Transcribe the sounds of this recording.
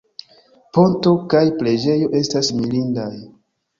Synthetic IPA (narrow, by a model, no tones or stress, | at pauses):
po̞nto̞kajple̞d͡ʒe̞jo̞ʔe̞stasmilindaj